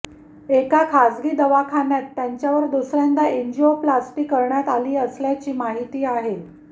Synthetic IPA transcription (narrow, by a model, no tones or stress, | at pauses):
ekakʰad͡zɡiːd̪əʋakʰanjat̪ːjaɲt͡ɕjaʋəɾd̪usɾjand̪aiɲd͡ʑioplasʈiːkːəɾɳjat̪aliːəsljat͡ɕiːmaɦit̪iːaɦe